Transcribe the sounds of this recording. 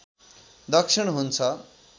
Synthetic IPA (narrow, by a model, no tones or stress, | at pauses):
d̪ʌkʂʰiɽ̃ɦunt͡sʰʌ